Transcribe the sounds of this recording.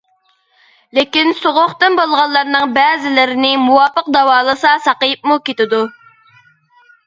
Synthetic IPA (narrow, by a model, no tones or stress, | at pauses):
lekʲinsoʁʊχt̪ɨnbolˠʁɑlˠːɑɾnɨŋbɛːzɪlɪɾɪnɪmuwɑpʰːəq̚d̪ɑwɑːlˠəsɑsɑqəjɨp̚mukʲet̪ɪd̪u